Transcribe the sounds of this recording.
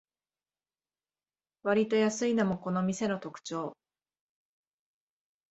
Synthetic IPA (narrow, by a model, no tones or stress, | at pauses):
βaɾʲit̪o̞jasɨinamo̞ko̞no̞mʲise̞no̞t̪o̞kɯ̟̥t͡ɕo̞ː